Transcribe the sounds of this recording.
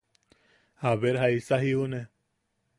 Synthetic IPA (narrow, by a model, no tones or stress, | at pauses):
habeɾɦaisaɦiune